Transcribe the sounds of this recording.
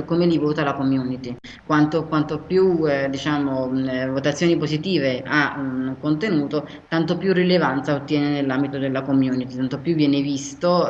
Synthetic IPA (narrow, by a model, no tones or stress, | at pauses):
komelivoːt̪alakomjuːnit̪i | kwant̪okwant̪opjud̪it͡ʃaːmovot̪at̪sːjoːnipozit̪iːveaunkont̪enuːt̪o | t̪ant̪opjurːilevant̪saot̪ːjɛːnenelːambit̪od̪elːakomjuːnit̪it̪ant̪opjuvːjɛːnevist̪o